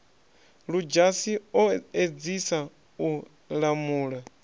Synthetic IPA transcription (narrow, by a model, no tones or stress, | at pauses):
ɺud͡ʒasiɔed͡zisa | u | ɺamuːɺa